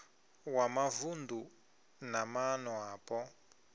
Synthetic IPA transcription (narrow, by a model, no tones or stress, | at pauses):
wamavund̪u | namanɔaːpɔ